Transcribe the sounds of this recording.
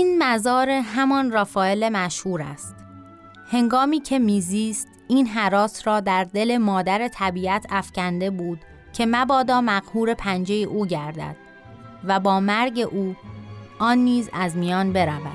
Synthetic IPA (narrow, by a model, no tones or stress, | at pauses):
iːnmæzɒːɾe̞ɦæmɒnræfɒːelemæʃhuːɾæ̰st̪̚ | he̞ŋɡɒːmiːcʰe̞miːziːst̪ʔiːnɦæɾɒːsɾɒːd̪æɾd̪e̞le̞mɒːd̪æɾe̞t̪ʰæbiːæt̪ʰæfcʰænd̪e̞buːd̪̥ | cʰe̞mæbɒːd̪ɒːmæɣhuːɾe̞pʰænd͡ʒe̞jeʔuːɟæɾd̪æ̰d̪̥ | væbɒːmæɾɟe̞ʔuːʔɒːnːiːzæzmijɒːnbe̞ɾævæ̰d̪̥̚